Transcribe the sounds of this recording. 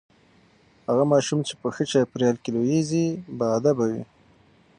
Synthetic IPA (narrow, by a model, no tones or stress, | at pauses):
haɣamɑʃumt͡ʃepəxət͡ʃɑpɾjɑlkelojezibaːd̪abawḭ